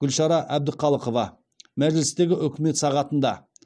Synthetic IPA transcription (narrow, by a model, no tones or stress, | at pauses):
ɡ̥ʲʏlʃɑɾɑʔæb̚d̪ɪqʰɑlˠəqovɑ | mæʒlɪst̪e̞ɡʲɪʔʏkʲɪme̞t̪sɑʁɑt̪ənd̪ɑ